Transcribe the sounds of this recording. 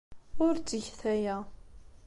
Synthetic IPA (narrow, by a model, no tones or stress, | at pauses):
ʊɾt͡sːəʝθæjæ